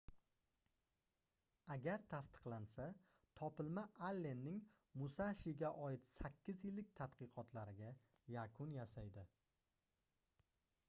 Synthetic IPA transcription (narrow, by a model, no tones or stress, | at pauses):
aɡʲaɾt̪ʰast̪ɨ̥qlˠansa | t̪ʰɒpɪlmaʔalːe̞nːɪŋ | mʊsaʃɪɡʲaʔɒjɪt̪sakʲːɪzjɪlːɪk̚ʲt̪ʰat̪qʰɨqʰɒt̪ʰlaɾɪɡʲa | jakʰʊnjasajd̪ɪ